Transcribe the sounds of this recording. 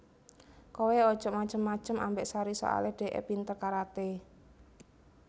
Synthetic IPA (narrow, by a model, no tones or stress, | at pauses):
koweɔ̥ʒ̥ɔʔmat͡ʃəmːḁt͡ʃəma̰mbɛʔsaɾiso̰ʔa̰leɖ̥e̤ʔḛpint̪ərkaɾat̪e